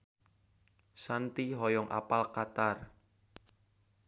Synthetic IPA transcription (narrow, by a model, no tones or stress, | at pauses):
sant̪iɦɔjɔŋʔa̰palkat̪ar